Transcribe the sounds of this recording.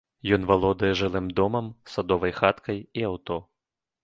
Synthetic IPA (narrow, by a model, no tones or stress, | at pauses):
jɔnvalˠɔd̪ɐjɛʐɨlˠɨmd̪ɔmɐmsad̪ɔvɐjxat̪kʰɐjiawt̪ɔ